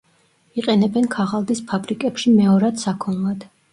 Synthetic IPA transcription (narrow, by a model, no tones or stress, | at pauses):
iqʼɛnɛbɛnkʰaʁalˠd̪ispʰabɾikʼɛpʃimɛɔɾad̪̥sakʰɔnlˠad̪̥